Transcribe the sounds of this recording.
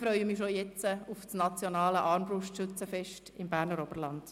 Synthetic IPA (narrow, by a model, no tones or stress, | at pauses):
fɾœʏəmiʃojɛt͡səʊfsnɑt͡sjonɑːləʔɑːɾmbɾʊʃtʃʏt͡səfɛʃtɪmbæːɾnəɾɔbəɾlɑnd̥